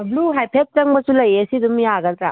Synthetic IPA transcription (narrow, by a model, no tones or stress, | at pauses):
bluɦajpʰet̚tɐŋbɐsulɐjesidumjaɡɐltɾa